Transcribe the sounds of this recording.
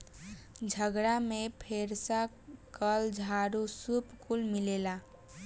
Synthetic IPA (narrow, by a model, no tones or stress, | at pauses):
d͡ʒʱəɡɽamẽpʰeːɾsa | kəld͡ʒʱaɾusupkulmɪleːla